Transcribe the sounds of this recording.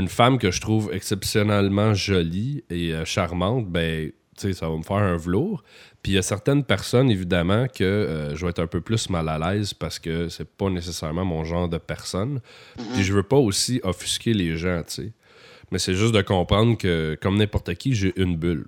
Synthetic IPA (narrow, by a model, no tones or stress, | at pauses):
ynfamkʲəʒət̪χuːvɛksɛpsjɔnɛlmɑ̃ʒɔlieəʃaʁmɑ̃t̪̚bɛ̃ | t͡sesavaməfɛːʁɛ̃vəluːʁpijasɛʁt̪ɛnpɛʁsɔnevid̪amɑ̃kʲʰəːʒədwaɛt̪ʰɛ̃pøplʏsmalalɛːzpaʁsə̥kʲəsɛpʌnesesɛʁmɑ̃mɔ̃ʒɑ̃ːʁd̪əpɛʁsɔnpiʒəvøpʌosiʔɔfy̥skʲeleʒɑ̃t͡se | mɛsɛʒʏst̪d̪əkɔ̃pʁɑ̃d̪ʁkəkʌmnɛ̃pɔʁt̪əkʲiʒeʔynbʏl